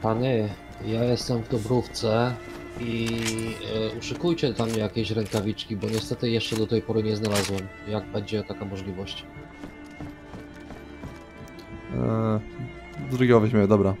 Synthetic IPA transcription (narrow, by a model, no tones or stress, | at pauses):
paɲɛ | jajɛst̪ɛmvd̪ɔbɾuft̪sɛ | i | uʂɘkujt͡ɕɛd̪lamɲɛjakʲeɕɾɛŋkavʲit͡ʂkʲibɔɲɛst̪ɛt̪ɘjɛʂt͡ʂɛd̪ɔt̪ɛjpɔɾɘɲɛznalazwɛmjaɡ̚bɛɲd͡ʑɛt̪akamɔʐlʲivɔɕt͡ɕ | d̪d̪ɾuɡʲibɔvɛʑmʲɛd̪ɔbɾa